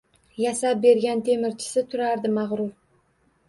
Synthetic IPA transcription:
jasap̚be̞ɾɡʲant̪ʰe̞mɪɾt͡ʃʰɪ̥sɪt̪ʰʊɾaɾd̪ɪmɑʁɾʊɾ

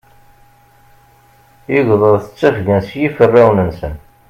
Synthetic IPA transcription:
iʝðˤəðˤθə̥t͡sːæfɡænsjifərːiwnənsən

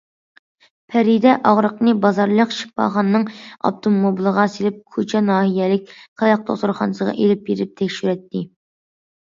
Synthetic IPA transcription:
pʰɛɾid̪ɛʔɑʁɾəqnɨbɑzɑɾlˠəqʃi̥pːɑ̰ːχɑnːɨŋɑ̰p̚t̪ʰomːobilˠəʁɑselɪp̚kʰot͡ʃʰɛnɑːhijɛlɪk̚ʲqʰɑjɑq̚t̪ʰo̰χt̪ʊɾχɑ̰nɨsəʁɑ̰ʔelɪp̚beɾɪp̚t̪ʰɛkʲʃyɾɛt̪ʰːɪ

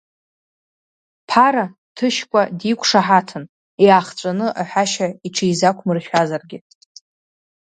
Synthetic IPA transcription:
pʰaɾa | tʰɨʃkʷʼadikʷʰʼʂaħatʰɨn | iaχt͡ʃʷʼanɨʔaħʷᶣaʃaiʈ͡ʂʰijzakʷʰmɨrʃʲᶣazarɡʲɪ

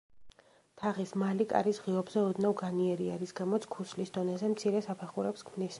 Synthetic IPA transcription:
t̪ʰaʁismalikʼa̰ɾisʁiɔbzɛɔd̪navɡaniɛɾiaɾisɡamɔt̪sʰkʰuslisd̪ɔnɛzɛmt̪sʰiɾɛsapʰɛχuɾɛpskʰmnis

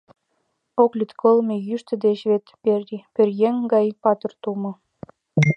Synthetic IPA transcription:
oklʲit̪kʰolmejyʃt̪ə̆d̪et͡ɕβet̪epørjeŋɡɑjpɑt̪ərt̪umɤ̆

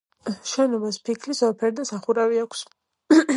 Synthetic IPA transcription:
ʃɛnɔbaspʰikʰlisɔlˠpʰɛɾd̪asaχuɾaviakʰs

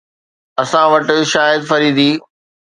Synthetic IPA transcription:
ɐsãʋɐʈɪ̆ʃaːjɪd̪fɐɾiːd̪iː

